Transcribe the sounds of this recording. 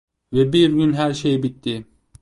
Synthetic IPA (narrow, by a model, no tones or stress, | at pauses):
vɛbiɾɡʲynɦæɾʃejbit̪ːi